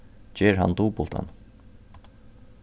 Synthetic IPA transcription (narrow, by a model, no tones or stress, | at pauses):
t͡ɕɛːɾɦa̰nt̪uːpʊlt̪a̰n